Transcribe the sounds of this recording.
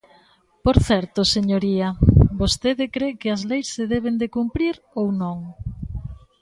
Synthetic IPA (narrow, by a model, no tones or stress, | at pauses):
poɾθɛɾt̪oseɲoɾiɐbost̪eðɪkɾekɪɐzlejsːeðɛβend̪ekumpɾiɾ | ownõŋ